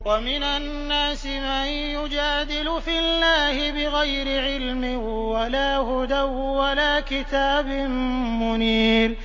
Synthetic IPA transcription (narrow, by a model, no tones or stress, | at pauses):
wamɪnanːaːsɪman | jʊd͡ʒaːd̪ɪlʊfɪlːaːhɪbɪɣajɾɪʕɪlmɪ | walaːhʊd̪awːalaːkɪt̪aːbɪnmʊniːɾ